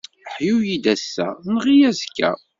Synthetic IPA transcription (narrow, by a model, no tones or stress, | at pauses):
ħjujid̪æsːæ̰nʁijæzkːæ̰